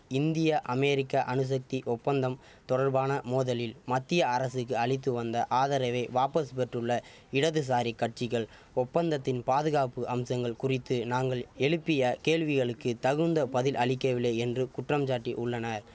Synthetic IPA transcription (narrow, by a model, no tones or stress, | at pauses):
ɪnd̪ɪjɐʔɐmɛɾɪkːaʔɐnɯs̬ɐk̚t̪iʔɔpːɐnd̪ɐm | t̪ɔɽɐɾbaːnɐmoːðɐlɪlmɐt̪ːɪjɐɐɾɐsɯkːɯɐɭɪt̪̬ːɯʋɐnd̪ɐʔaːðɐɾɐʋɐɪʋaːpɐspɛʈrɯɭːɐ | ɪɽɐðɯs̬aːɾikːɐʈ̚t͡ʃɪɣɐɭ | ɔpːɐnd̪ɐt̪ːɪnpaːðɯɣaːpɯʔɐmsɐŋɡɐɭkʊrɪt̪ːɯnaːŋɡɐɭɛɻɯpːɪjɐkeːɭʋɪɣɐɭɯkːɯt̪ɐɣɯnd̪ɐpɐðɪlʔɐɭɪkːɐʋɪlːɐːɛndrɯkʊʈrɐmt͡ʃaːʈːiʔʊɭːɐnɐɾ